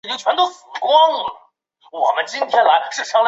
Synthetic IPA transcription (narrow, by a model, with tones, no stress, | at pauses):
t͡ɕi˥ŋt͡ɕʰɥɛ˧˥nt̪o˥ʊsɹ̩˨˩kwɑ˥ŋə˨˩ | wɔ˨˩mə˦nt͡ɕi˥nt̪ʰjɛ˥nla˧˥ɪʂɻ̩˥˩ʂʰɑ˥ŋ